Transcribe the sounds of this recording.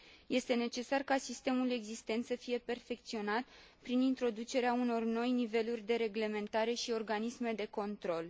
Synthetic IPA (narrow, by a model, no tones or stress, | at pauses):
je̞st̪e̞ne̞t͡ʃe̞sarkasist̪e̞mule̞ɡzist̪e̞nt̪səfije̞pe̞rfe̞k̚t̪sio̞nat̪ | pɾinint̪ɾo̞d̪ut͡ʃe̞ɾeauno̞rno̞jnive̞lurʲd̪e̞ɾe̞ɡle̞me̞nt̪aɾe̞ʃio̞rɡanisme̞d̪e̞ko̞nt̪ɾo̞l